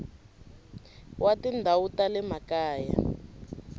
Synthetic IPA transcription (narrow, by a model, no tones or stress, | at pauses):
watindʱawutalɛmakaːja̰